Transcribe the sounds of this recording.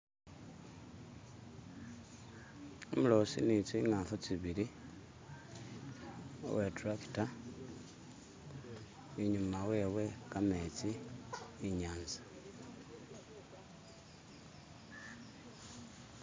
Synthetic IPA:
omulo̞sinit͡siŋaːfut͡siβili | o̰wetɾaki̥ta | iɲumawe̞ːwe̞kamet͡siː | ɲaːnzḁ

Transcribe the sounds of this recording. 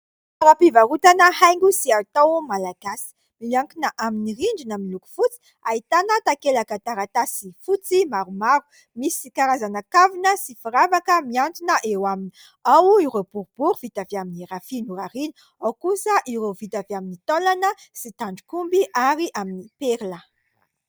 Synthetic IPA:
aɾapivaɾut̪anəhajŋɡusiat̪owmalaɡ̥asi̥ | milaŋkinəʔaminiriɳɖ͡ʐinaminiluku̥fut͡si̥ | ait̪anət̪akelakət̪aɾat̪asifut͡simaɾumaɾu̥ | misikaɾazanakavinəsifiɾavakəmiant̪unəʔewamini | awiɾowbuɾub̥uɾuv̥it̪aviaminiɾafinuɾaɾinu | awkusəʔiɾovit̪aviaminit̪olanəsit̪aɳɖ͡ʐu̥kumbiʔaɾiʔaminipeɾlə

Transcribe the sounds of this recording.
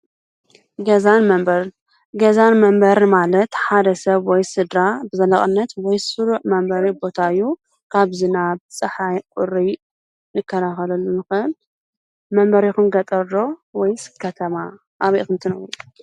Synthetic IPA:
ɡɐzanmɐmbɐɾ | ɡɐzanmɐmbɐɾmalɐt̪ħad̪ɐsɐβwɔjsɨd̪ɾabɨzɐlɐχʼɨnːɐt̪wɔjsuɾuʕmɐmbɐɾibo̞t̪ʰaɨjːu | kʰaβzɨnaβt͡sʼɨħajkʼʊɾi | nɨkʰːɐɾaxɐlɐlːunɨxɨɨl | mɐmbɐɾixunɡɐt̪ʼɐɾɾowɔjskʰɐt̪ʰɐma | ʔaβiʔxɨnt̪ʰɨnɐwɾu

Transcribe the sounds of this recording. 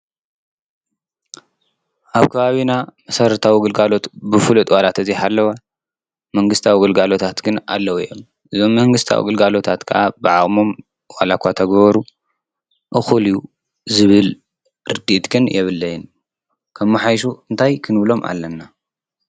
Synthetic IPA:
ʔaβkʰɐβaβinamɐsɐɾɐt̪ʰawiɡɨlɡalo̞t̪bɨfɨlut̪ʼwalat̪ʰɐziħalːɐwa | mɐŋɡɨst̪ʰawiɡɨlɡalo̞t̪ʰat̪ɡɨna̰lːɐwiʔom | ʔɨzo̞mːɐŋɡɨst̪ʰa̰wḭɡɨlɡalo̞t̪ʰat̪kʰɨʔabɨʕaʔʼmo̞m | walakʷat̪ʰɐɡβɐɾu | ʔɨxuliju | zɨβɨl | ɾɨd̪iʔt̪ɡɨnjɛβɨlːɐjɪn | kʰɐmːɨħajʃ̬uɨnt̪ʰajkʰɨnɨβlo̞mʔa̰lːɐnːa

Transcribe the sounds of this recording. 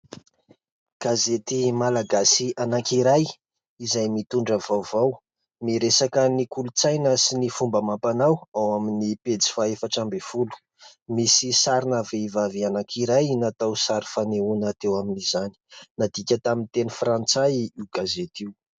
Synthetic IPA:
ɡ̥azet̪imalaɡasianaŋkiɾaj | izajmit̪uɳɖ͡ʐəvawvaw | miɾesakənikulut͡sajnəsinifumbəmampanawawaminiped͡zi̥faefaʈ͡ʂambefulu̥ | misisaɾinaveivavianakʰiɾajnat̪awsaɾi̥faneunat̪ewaminizani̥nad̪ikʲət̪amint̪enifrant͡sajiwɡ̥azet̪iu

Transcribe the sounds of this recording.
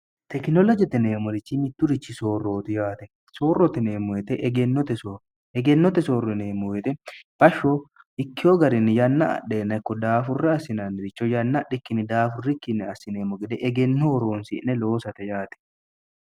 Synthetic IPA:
t̪ɛknɔlɔd͡ʒɛt̪ɛneːmɔɾɪt͡ʃːɪmɪt̪ːʊɾɪt͡ʃːɪsoːrːo̞ːt̪ɪjaːt̪ɛ | soːrːɔt̪ɪneːmːʊjɛt̪ɛʔɛɡɛnːɔt̪ɛsoː | ɛɡɛnːɔt̪ɛsoːrːɛneːmːʊwɛt̪ɛb̥ɐʃːo | ɪkːɪjoɡɐɾɪnːɪjɐnːɐɐ̰ɗːeːnːɐɪkːɔd̪aːfʊrːɛɐsːɪnaːnːɪɾɪt͡ʃːɔjɐnːɐɗːɪkːɪnɪd̪aːfʊrːɪkːɪnːɪɐsːɪneːmɔɡɛd̪ɛʔɛɡɛnːɔɔɾo̞ːnsɪ̰ʔnɛlo̞ːsɐt̪ɛjaːt̪ɛ̥

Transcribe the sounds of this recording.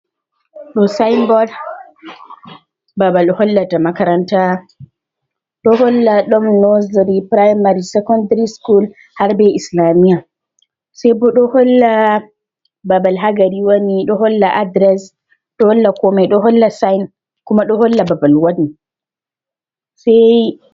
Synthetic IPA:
ɗɔsajnɡɔl | babalɗɔhɔlːatamakaɾanta | ɗɔɦɔlːaɗɔmnɔsɾipɾajmaɾisɛkɔndaɾiskul | haɾbɛʔislamija | sɛjbɔɗɔhɔlːa | babalɦaɡaɾiwaniɗɔɦɔlːaʔadɾɛs | ɗɔhɔlːakɔmɛɗɔɦɔlːasajn | kumaɗɔhɔlːababalwadni | sɛj

